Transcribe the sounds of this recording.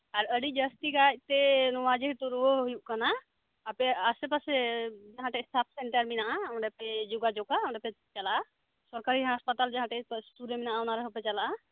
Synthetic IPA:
aɾəɖid͡ʒəst̪iɡac̚t̪ɛnuwad͡ʒiɦt̪uɾuəɦujuʔkanaː | pɛasɛpasɛd͡ʒaɦãʈɛst̪ʰap̚ʰsɛɳʈəɾminaʔaɔ̃ɳɖɛpɛd͡ʒuɡad͡ʒokaɔ̃ɳɖɛpɛ | t͡ʃalaʔa | sɔɾkaɾiɦaspat̪ald͡ʒaɦãʈɛsʈuɾeminaʔaɔnaɾɛɦɔpɛt͡ʃalaʔa

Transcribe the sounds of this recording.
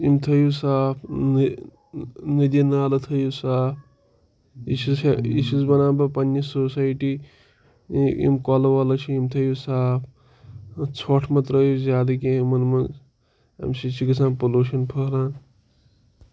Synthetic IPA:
imt̪ʰɐjusaːpʰn | nid̪inaːlɐt̪ʰɐjusaːp̚ʰ | isiisuzbɐnaːbɐpɐnːisosaːjʈi | ḭmkɔlɐwalɐt͡ʃʰiimt̪ʰɐjusaːpʰ | t͡sʰoʈʰmɐt̪ɾəjuzʲjaːd̪ɐkemɐnmɐn | ɐ̰msit͡ʃʰiɡɐsʰãːnpoluʃɐnpʰɐɾaːn

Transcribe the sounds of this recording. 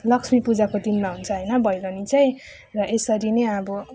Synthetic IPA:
lʌksmipud͡zakod̪inmaɦunt͡sʰʌɦʌjnʌbʱʌjɾʌnit͡saj̃ | rʌʔesʌɾineʌbʌ

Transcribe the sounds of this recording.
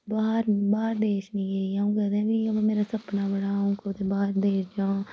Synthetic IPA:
baːɾbaːɾd̪eːʃnĩːeːjaũːɡəd̪ɛ̃ːʋiːbmeːɾaːsəpnaːbəɽaːũːkot̪ebaːɾd̪eːɾd͡ʒãː

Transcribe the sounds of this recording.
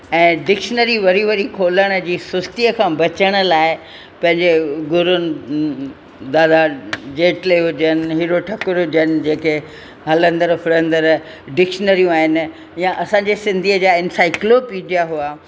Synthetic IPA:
ɛ̃ːɖɪkʃənəɾiʋɐɾiʋɐɾikʰoːləɽ̃ə̆d͡ʑiːsʊst̪iəkʰãːbɐt͡ɕəɽ̃ə̆laːɪ | pɐ̃ɦɪ̃ɲd͡ʑeɡʊɾʊnɪ̆ | d̪aːd̪ad͡ʑeːʈleɦʊd͡ʑənɪ̆ɦiːɾoʈʰɐkʊɾɦʊd͡ʑənɪ̆d͡ʑeːke | ɦɐlə̃nd̪əɾfʰɪɾə̃nd̪əɾ | ɖɪkʃənəɾijũaːɦɪnɪ̆ | jãʔɐsãɲd͡ʑesɪ̃nd̪ʱiəd͡ʑaːɪnsaːɪklopidijaɦua

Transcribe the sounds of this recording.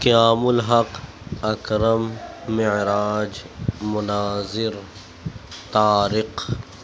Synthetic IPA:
kijaːmʊlɦɐq | ɐkɾɐmːɪʕɾaːd͡ʒmʊnaːzɪɾ | t̪aːɾɪq

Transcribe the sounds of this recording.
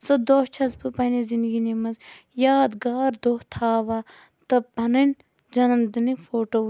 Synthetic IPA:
sod̪ot͡ʃʰɐzpɨpɐnezind̪ɡinimɐz | jaːd̪ɡaːɾd̪oːt̪ʰaːʋaː | t̪ɐbɐnɐnʲ | d͡ʒɐnɐmd̪ɨnifʰoːʈoː

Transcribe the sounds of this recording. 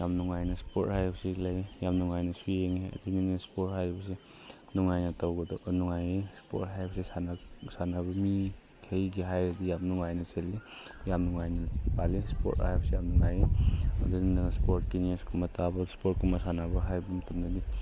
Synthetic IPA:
jamnuŋajnɐspothajbsiklajjamnuŋajnɐsujeŋeɐ̰dininispothajbɐs̬e | nuŋajnatawɡɔdɔʔnuŋajespo̰tɦajbɐsesanasanabɐmi | kʰejɡiɦajdijamnuŋajnɐselːijamnuŋajnɐpalispo̰ta̰jbsejamnuŋajeɐ̰dinaspoɾtkinieskʰumatabɐspot̚kʰumasanabɐɦajbumtɐmnadi

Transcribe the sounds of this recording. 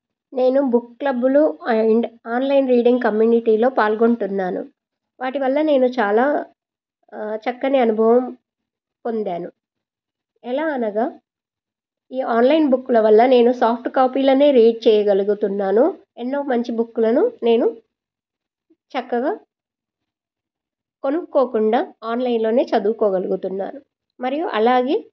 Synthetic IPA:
ne̞ːnubukːklɐbːuluɳɖaːnlɐjnɾiːɖiŋɡkɐmjuːniʈiːlo̞ːpaːlɡoɳʈunːaːnṵ | ʋaːʈiʋɐlːɐne̞ːnut͡ʃaːlaː | t͡ʃɐkːɐniɐnubʱɐʋɐm | po̞nd̪aːnu | ɛlaːɐnɐɡaː | iːaːnlɐjnbukːulɐʋɐlːɐne̞ːnusaːpʰʈkaːpiːloːne̞ːɾeːɖ̚t͡ʃɛːjɐɡɐluɡut̪unːaːnu | ɛnːo̞ːmɐɲt͡ʃibukːulɐnune̞ːnu | t͡ʃɐkːɐɡaː | ko̞nukːo̞ːkuɳɖaːaːnlɐjnlo̞ːne̞ːt͡ʃɐd̪uːkɔːɡɐluɡut̪unːa̰ːnu | mɐɾijuʔɐ̰laːɡe̞ː

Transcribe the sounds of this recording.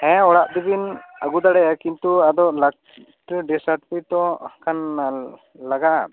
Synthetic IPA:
ɛ̃ɔɽaʔd̪ibinaɡud̪aɽɛjakint̪uad̪ɔʔlak | ʈɾiɖisaʈpit̪ɔ̃kʰan | laɡaʔa̰

